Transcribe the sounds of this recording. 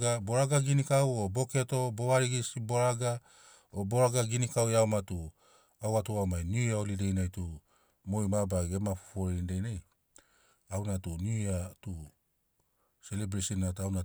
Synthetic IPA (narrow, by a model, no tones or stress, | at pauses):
ɡaboɾaɡaɡinikawobokeatoboaɾiɡisiboɾaɡa | oboɾaɡaɡinikaweawmatu | awatuawmajniaolidejnajtu | mojmabaɡemafo̥foɾindejnaj | awnatuniatu | selebɾesinatawna